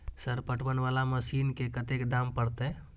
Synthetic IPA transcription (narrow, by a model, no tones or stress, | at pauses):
səɾpəʈʰbənʋaːlaməsiːnkekət̪ekd̪aːmpəɽt̪e